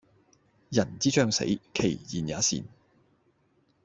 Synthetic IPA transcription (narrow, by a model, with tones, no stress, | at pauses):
jɐ˨˩nt͡siː˥t͡ʃœː˥˧ŋsḛ˨˥jkʰe˨˩jːiː˨˩njaː˨˥sḭː˨˩n